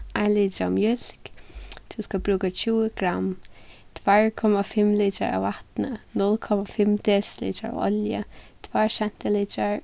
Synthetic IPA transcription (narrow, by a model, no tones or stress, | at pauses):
aliːdɾa̰mjɪlkt̪ʰuːskəbɾuːɡət͡ʃʰuːɡ̥ɾamt̪ʰvaɹkʰɔməfɪmlitə̰ɹə̰wat̪nənʊlkʰɔməfɪmd̪ɛslḭːtə̰ɹ̰ɔ̰ljə | d̪̥waɹʃɛnt̪ʰəlid͡ʒəɹ